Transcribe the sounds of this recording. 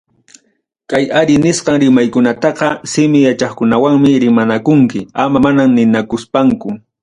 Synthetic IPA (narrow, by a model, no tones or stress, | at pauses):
kajaɾɪnɪsqɑŋɾɪmajkʊnat̪ɑqɑsɪmɪjat͡ʃɑχkʊnawaŋmɪɾɪmanakʊŋkɪamamanamnɪnakʊspaŋkʊ